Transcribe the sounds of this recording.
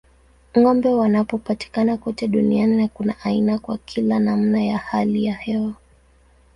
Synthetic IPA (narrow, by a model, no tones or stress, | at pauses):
ŋɔmbɛwanapɔpati̥kanakɔtɛɗunianinakunaʔainakwakʰilanam̩najahalijahɛwa